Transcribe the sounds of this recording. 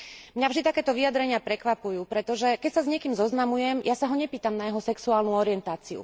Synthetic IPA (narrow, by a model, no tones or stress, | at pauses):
mɲavʒd̪it̪akɛːt̪ɔʋiad̪ɾɛɲɪapɾɛkʋapujuːpɾɛt̪ɔʒɛkɛcsazɲɪɛkiːmzɔznamujɛmjasaɦɔɲɛpiːt̪amnajɛɦɔsɛksuaːlnuɔɾɪɛnt̪aːt͡siṵ